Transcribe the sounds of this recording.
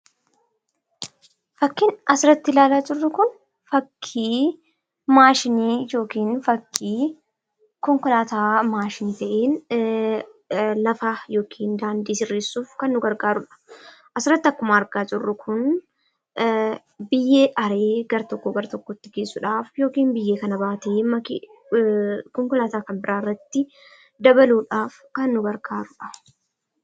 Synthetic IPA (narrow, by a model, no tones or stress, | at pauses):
fɐkːinɐsɪɾɐt̪ːɪlaːlaːd͡ʒɪrːʊkʊn | fɐkʰːiː | maːʃɪniːd͡ʒo̞ːkiːnfɐkːiː | kɔŋkʊlaːt̪aːmaːʃɪnit̪ɐʔeːn | lɐfɐjo̞ːkʰiːnd̪aːnd̪iːsɪrːeːsːuːfkɐnːʊɡɐɾɡaːɾʊᶑɐ̥ʔɐsɪrːɐt̪ːɐkːʊmaːɾɡaːd͡ʒɪrːʊkʰʊn | bɪjːe̞ːʔɐɾeːɡɐɾɐt̪ɔkːoːɡɐɾɐt̪ɔkːɔt̪ːɪɡeːsːʊᶑaːfjo̞ːkiːnbɪjːeːkɐnɐbaːt̪eːmɐk | kɔŋkɔlaːt̪aːkɐnbɪɾʔaːɪrːɐt̪ːɪ | d̪ɐbɐluːᶑaːf | kɐnːʊɡɐɾɡaːɾʊᶑɐ